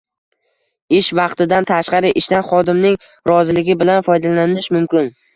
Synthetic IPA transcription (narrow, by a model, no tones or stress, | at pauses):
ɪʃvɑqt̪ɪd̪ant̪ʰaʃqɑɾɪʔɪʃt̪anχɒd̪ɪmnɪŋ | ɾɒzɪlɪɡʲɪbɪlanfɒjd̪alanɪnɪʃmʊmkʲɪn